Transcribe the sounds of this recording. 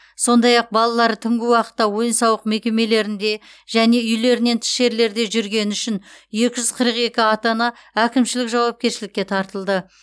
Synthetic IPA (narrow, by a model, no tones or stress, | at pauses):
so̞nd̪ɑjɑq̚bɑlˠɑlˠɑɾət̪ʰʏŋɡʲɪwɑqə̥t̪ːɑwo̞jənsɑwəqme̞kʲe̞me̞le̞ɾɪnd̪e̞ʒæne̞ʏjle̞ɾɪne̞nt̪ʰɪ̥ʃe̞ɾle̞ɾd̪e̞ʒʏɾɡʲe̞nʏʃɪnje̞kʲɪʒʏzqʰəɾəqe̞kʲɪɑt̪ɑnɑ | ækʲɪmʃɪlɪkʒɑwɑp̚kʲe̞ɾʃɪlɪkʲːe̞t̪ʰɑɾt̪əlˠd̪ə